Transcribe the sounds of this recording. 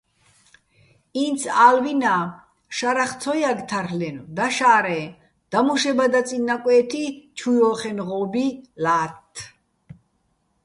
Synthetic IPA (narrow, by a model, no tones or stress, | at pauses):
int̪t͡sʰaːlvinaː | ʃaɾaχt̪ʰɔjaɡt̪ʰaɾlɛnɔd̪aʃaːɾɛ | d̪̥amuʃɛbad̪at͡sʼinːakʼwɛːt̪ʰit͡ʃʰujɔχɛnʁɔːbilaːt̪ʰː